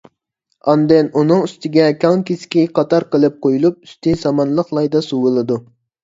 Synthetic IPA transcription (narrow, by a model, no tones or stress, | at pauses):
ɑnd̪ɪnunɨŋyst̪ɪɡʲɛkʲʰɑŋkʲiskʲiqʰɑt̪ɑɾqəlˠɨp̚qʰojulˠup̚y̥st̪ɪsɑmɑnlˠəχlˠɑjd̪ɑsuwɨlˠɨd̪u